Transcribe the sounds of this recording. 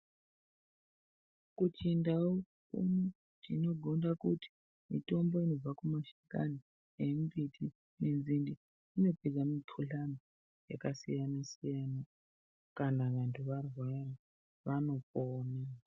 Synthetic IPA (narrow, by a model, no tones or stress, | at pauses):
kut͡ʃindao | kṵmu | tino̞ɡʱo̞ndakuti̥ | mito̞mbo̞ino̞b͡vakumaʃika̰ni | jembitʰi | nend͡zindiː | no̞ped͡zamipʰuɬano | ja̰kasḭjanasijana | kanaʋantʰuʋarwara | ʋano̞poːna